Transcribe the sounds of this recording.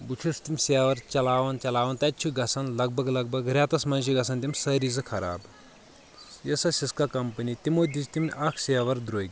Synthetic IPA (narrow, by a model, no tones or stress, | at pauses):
but͡ʃʰiʂt̪imʲseʋɐɾt͡ʃɐlaːʋɐnt͡ʃɐlaːʋɐnt̪ɐtt͡ʃʰuɡɐsʰɐnlɐɡ̚bʱɐɡlɐɡbɐɡɾʲjaːt̪ɐsmɐnʃʰiɡɐsɐnt̪imʲsɐɾizɨkʰɐɾa̰ːb | jɐsɐsiskakɐmpɐnʲit̪imoːd̪ist̪imʲɐkʰseʋɐɾd̪ɾoːɡ̪ʲ